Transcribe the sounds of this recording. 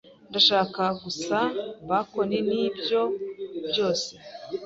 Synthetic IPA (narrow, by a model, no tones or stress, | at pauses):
ndaʃaːkaɡusaβako̞neniːbjo̞bjo̞ːse